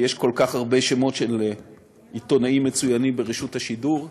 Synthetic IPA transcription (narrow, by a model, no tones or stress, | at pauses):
jeʃko̞lkaχaʁbe̞ʃemo̞tʃel | it̪o̞naimːet͡sujanimbe̞ʁiʃuthaʃiduʁ